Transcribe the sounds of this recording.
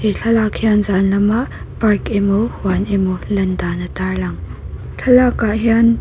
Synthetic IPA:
eɬʰɐlakʰijanzanlɐma | paɹkemohwanemolɐndanɐtaɹlaŋ | ɬʰɐlakaʔhian

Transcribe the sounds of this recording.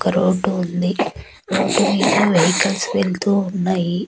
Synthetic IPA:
ɔkɐɾoːɖuːnd̪i | ɾoːɖumiːk̪iʋejkɐlsʋelt̪uːunːaːji

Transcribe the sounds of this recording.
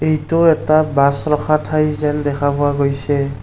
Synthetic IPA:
ejtʊɛtabasɹɔxʰatʰajzɛndɛkʰabʊwaɡojsɛ

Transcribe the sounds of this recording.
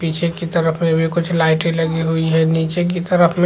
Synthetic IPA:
piːt͡ʃʰekit̪əɾəfʰmẽbʱikʊt͡ʃʰlaːɪʈẽlɐɡiɦuiɦɛniːt͡ʃek̬it̪ɐɾəfmẽ

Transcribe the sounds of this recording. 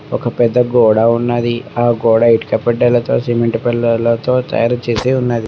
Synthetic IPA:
ɔkɐpɛd̪ːɐɡɔːɽaːunːad̪iaːɡɔːɽaːiʈkɐpːɛɖːɐlɐt̪o̞̰ːsemeɳʈpɛlːɐlɐt̪o̞ːt̪ɐ̰jaːɾɐt͡ʃeːseːunːad̪i

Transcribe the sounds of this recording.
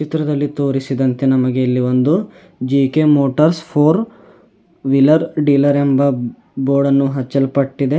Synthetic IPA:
t͡ʃit̪ɾɐd̪ɐlːit̪oːɾisid̪ɐnt̪e̞nɐmɐɡeilːio̞nd̪u | d͡ʒiːkemoːʈɐɾspʰoːɾ | ʋilɐɾɖiːlɐɾembɐ | boːɖɐnːuɦɐt͡ʃːɐlpɐʈːid̪e

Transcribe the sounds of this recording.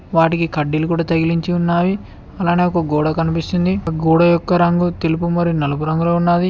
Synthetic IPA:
ʋaːʈikikɐɖːilukuːɽaːt̪ɐɡiliɲt͡ʃiunːaːji | ɐlaːneːɔkɐɡoːɽɐkɐnipist̪und̪iɡɔːɽɐjɔkːɐɾɐŋɡut̪elup̬umɐɾinɐlɐpuɾɐŋɡuloːunːaːd̪i

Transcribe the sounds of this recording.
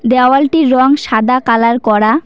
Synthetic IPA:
d̪ɛalʈiɾːɔŋʃad̪akalaɾkɔɽa

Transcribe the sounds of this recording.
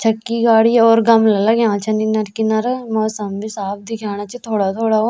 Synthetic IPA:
t͡ʃʰəkːiːɡaːɽiːɔːɾɡəmləlaɡãːt͡ʃʰəniːnəɾkinəɾmoːsəmbisaːb̚d̪iːɡʰjaːnaːt͡ʃt̪ʰoːɽaːt̪ʰoːɽaːo

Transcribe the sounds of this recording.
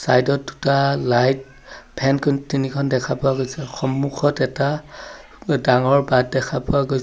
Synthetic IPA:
sajdɔt̚ːu̥talajt̚ | pʰɛnkʰɔntinikʰɔndɛkʰapɔaɡojsɛxɔmːuxʰɔtɛta | daŋɔɹbad̚dɛkʰapʊaɡoj

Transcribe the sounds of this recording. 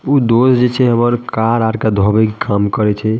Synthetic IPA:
ud̪osd͡ʒet͡ʃʰɛɦəməɾkaɾaɾkad̪ʱɔbɛkkʰamkəɾɛt͡ʃʰɛ

